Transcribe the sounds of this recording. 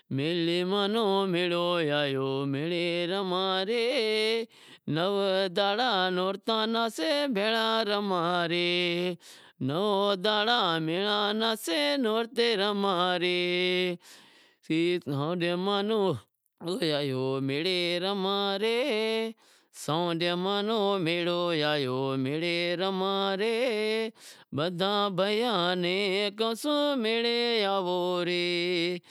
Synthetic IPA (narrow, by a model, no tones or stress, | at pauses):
meːlimaːnõmelojaːjoːmeɭeɾɐmãːɾe | nɐʋd̪aːɽaːnoːɾt̪ãːnaːsebʱeːlãːɾɐmãːɾe | nɐʋod̪aːɽaːmeɭãːnãːsenoːɾt̪eɾɐmãːɾe | iãɖemaːno | ojaːjoːmɪɽeːɾɐmãːɾe | sãɖemaːnoːmeɽoːjaːjoːmɪɽeːɾɐmãːɾe | bəd̪ʱãːbʱəjãːnẽːkɐsũmeɭejaːʋoɾe